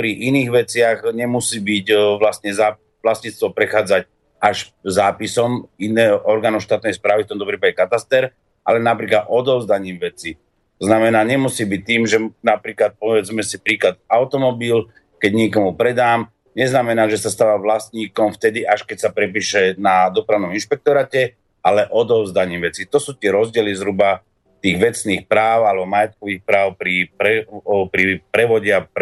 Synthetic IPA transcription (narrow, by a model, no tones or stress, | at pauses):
pɾiʔiniːɣʋɛt͡sɪaɣɲɛmusiːbicʋlast̪ɲɛzaː | ʋlast̪ɲiːt͡st̪ʋɔpɾɛxaːd͡zac̚ | aʃzaːpisɔminɛːɦɔʔɔɾɡaːnɔʊʃt̪aːt̪̚nɛjspɾaːʋift̪ɔmt̪ɔpɾiːpaɟɛkat̪ast̪ɛɾ | ʔa̰lɛnapɾiːklad̪ɔd̪ɔʊzd̪aɲiːmʋɛt͡si | t̪ɔznamɛnaːɲɛmusiːbic̚t̪ːiːmʒɛnapɾiːklat̪̚pɔʋɛd͡zmɛsipɾiːklad̪aʊt̪ɔmɔbil | kɛɟɲɪɛkɔmupɾɛd̪aːm | ɲɛznamɛnaːʒɛsast̪aːʋaːʋlast̪ɲiːkɔmft̪ɛd̪iʔaʃkɛcsapɾɛpiːʃɛnad̪ɔpɾaʊnɔminʃpɛk̚t̪ɔɾaːcɛ | ʔalɛʔɔd̪ɔʊzd̪aɲiːmʋɛt͡sit̪ɔsuːt̪ɪɛɾɔzɟɪɛlizɦɾuba | t̪iːɣʋɛt͡sniːxpɾaːʊalɛbɔmajɛt̪̚kɔʋiːxpɾaːʊpɾipɾɛpɾipɾɛʋɔɟɪap